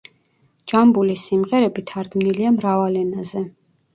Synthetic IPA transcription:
d͡ʒambulisimʁɛɾɛbit̪ʰaɾɡmniliamɾavalɛnazɛ

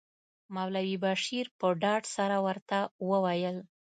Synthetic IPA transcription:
mawlawibaʃiɾpəɖɑɖsaɾawəɾt̪awəwajəl

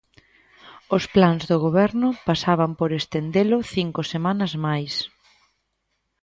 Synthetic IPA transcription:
ʊsplanzðoɣ̞oβɛɾnʊpasaβɐmpoɾest̪end̪elʊθiŋkʊsemanɐzmajs

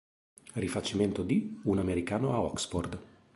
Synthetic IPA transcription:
rifat͡ʃːiment̪od̪iunameɾikaːnoaɔksfɔrd̪

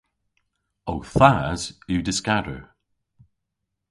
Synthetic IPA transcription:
owθaz̥ʉdɪskadə̰

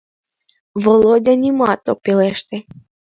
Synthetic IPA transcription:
volˠodʲanʲimɑt̪ːok̚peleʃt̪ĕ

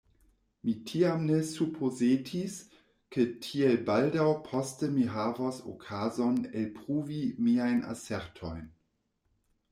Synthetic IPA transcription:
mitʰiamnesupʰozeːtʰis | kətʰielbaldawpʰɔstəmiɦaːvɔso̰kʰazɔnelpʁuːvimiajnʔa̰sɛʁtʰɔjn

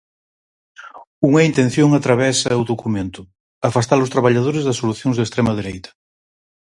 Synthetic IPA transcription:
uŋɛint̪ẽnθjoŋat̪ɾaβ̞ɛsɐuðokumẽnt̪ʊ | afast̪alʊst̪ɾaβaʎaðoɾɪzðɐsːoluθjõŋzðest̪ɾɛmɐðeɾejt̪ɐ̥

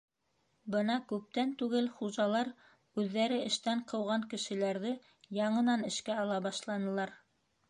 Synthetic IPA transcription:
bɤnɑkʉp̚t̪ænt̪ʉɡɘlχuʒɑlˠɑɾ | ʉðːæɾɘɘ̆ʃt̪æɴqɤ̆wʁɑŋkɘ̆ʃɘ̆læɾðɘ | jɑɴɤ̆nɑnɘ̆ʃkæɑlˠɑbɑʃlˠɑnɤ̆lˠɑɾ

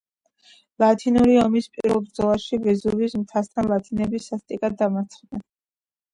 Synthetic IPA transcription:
lˠat̪ʰinuɾiɔmispʼiɾvɛlˠbɾd̪zɔlˠaʃivɛzuvismt̪ʰast̪ʰanlˠat̪ʰinɛbisːast̪ʼikʼad̪ːamaɾt̪sʰχnɛn

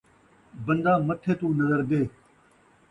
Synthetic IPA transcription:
bə̃nd̪aːmət̪ʰeːt̪ũːnɐzəɾd̪eː

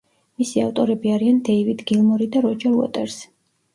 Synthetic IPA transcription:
misiaft̪ʼɔɾɛbiaɾiand̪ɛivid̪ɡilˠmɔɾid̪aɾɔd͡ʒaɾuɔ̰t̪ʼɛɾs

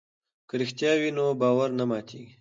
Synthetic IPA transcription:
kəɾixt̪jɑwinobɑːwaɾnamɑːt̪ʰiːɡi

